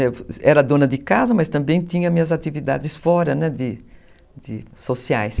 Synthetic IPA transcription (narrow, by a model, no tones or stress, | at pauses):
ɛɛɾɐd̪õnɐd̪ɪkazɐmɐst̪ɐ̃mbẽj̃t̪ĩɲɐmĩɲɐzat̪ivid̪a̰d̪ɪsfɔɾɐnɛd̪ɪ | d̪ɪ̰sosiajs